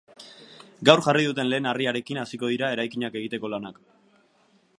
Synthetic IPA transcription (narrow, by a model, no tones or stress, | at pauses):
ɡawɾʝariðut̪e̞nle̞ːnariaɾe̞kinasiko̞ð̞iɾae̞ɾajkiɲake̞ɣ̞it̪e̞ko̞lanak